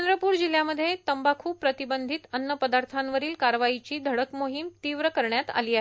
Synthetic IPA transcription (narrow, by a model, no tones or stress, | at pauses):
ənd̪ɾəpuːɾd͡ʑiljaməd̪ʱːjet̪əmbakʰuːppɾət̪ibənd̪ʱit̪ənːəpəd̪aɾt̪ʰanʋəɾiːlkaɾʋaɦit͡ɕiːd̪ʱəɽəkmoɦimt̪iːʋɾəkəɾɳjat̪a̰liːaɦe